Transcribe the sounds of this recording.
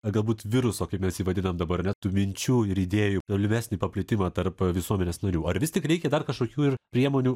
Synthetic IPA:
ɐɡɐlˠbuːt̪ʋʲɪɾʊsoːkɐɪpmʲɛsiːʋɐd̪ʲɪnɐmd̪ɐbɐɾnʲɛt̪uːmʲɪnʲt͡ʃʲuːɪɾiːd̪ʲeːjut̪oːlʲɪmʲæsʲnʲiːpɐpʲlʲɪt̪ʲɪmɐːt̪ɐɾpʋʲɪsuɔmʲɛnʲeːsnɐɾʲuːɐɾʋʲɪst̪ʲɪkɾʲɛɪkʲɛd̪ɐrkɐʃkoːkʲuːɪrpʲɾʲiɛmoːnʲuː

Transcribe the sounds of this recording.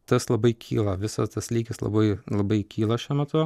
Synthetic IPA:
t̪ɐslˠɐbɐɪkʲʰḭːlˠɐʋʲɪsɐst̪ɐslʲiːɡʲɪslˠɐ̰bɐɪlˠɐbɐɪkʲiːlˠɐʃʲuːmʲɛt̪ʊ

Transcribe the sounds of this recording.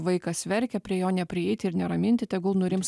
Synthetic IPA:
ʋɐɪkɐsʲʋʲɛɾʲkʲɛpʲɾʲiɛjoːnʲɛpʲɾʲɪɛɪt̪ʲɪɪɾnʲɛɾɐmʲɪnʲt̪ʲɪt̪ʲɛɪɡʊlˠnʊɾʲɪms

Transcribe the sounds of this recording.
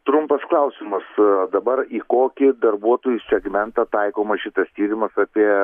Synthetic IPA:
t̪ɾʊmpɐsklˠɐʊsʲɪmɐsd̪ɐbɐɾiːkoːkʲɪd̪ɐrbuɔt̪oːjʊsʲɛɡmʲɛnt̪ɐt̪ɐɪkoːmɐʃʲɪt̪ɐst̪ʲiːɾʲɪmɐsɑːpʲiɛ

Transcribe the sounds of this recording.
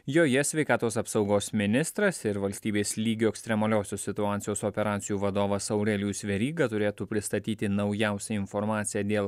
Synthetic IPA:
joːjɛsʲʋʲɛɪkɑːt̪oːsɐpsɒʊɡoːsmʲɪnʲɪst̪ɾɐsɪɾʋɐlʲsʲt̪ʲiːbʲeːslʲiːɡʲoːɛkst̪ʲɾʲɛmɐlʲoːsʲosʲɪt̪ʊɑːt̪sʲɪjoːsoːpʲɛɾɑːt̪sʲɪjuːʋɐd̪oːʋɐsɐʊɾʲɛlʲjuːsʲʋʲɛɾʲiːɡɐt̪ʊɾʲeːt̪uːpʲɾʲɪst̪ɐt̪ʲiːt̪ʲɪnɐʊjɛˑʊsʲɛɪnfɔɾmɑːt̪sʲɪjɛːd̪ʲeːlˠ

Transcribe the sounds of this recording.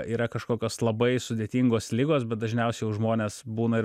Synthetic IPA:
iːɾɐkɐʃkoːkʲoːslˠɐbɐɪsʊd̪ʲeːt̪ʲiːŋɡoːslʲɪːɡoːsbʲɛt̪̚d̪ɐʒʲnʲɛʊsʲɛɪjɛʊʒmoːnʲeːsbuːnɐɪɾ

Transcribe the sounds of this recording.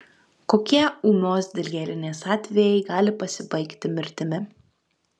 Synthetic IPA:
koːkʲiɛuːnʲoːsd̪ʲɪlʲɡʲɛlʲɪnʲeːsɑːt̪ʲʋʲɛjɛɪɡɑːlʲɪpɐsʲɪbɐɪkt̪ʲɪmʲɪɾʲt̪ʲɪmʲɪ

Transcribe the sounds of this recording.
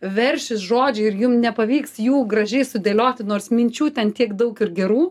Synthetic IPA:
ʋʲɛrʲʃʲɪsʒoːd͡ʒʲɛɪɾjʊmnʲɛpɐʋʲiːksjuːɡrɐʒʲɛɪsʊd̪ʲeːlʲoːt̪ʲɪnoːrsmʲɪnʲt͡ʃʲuːt̪ʲɛnt̪ʲiɛkd̪ɐʊkɪrɡʲɛɾuː

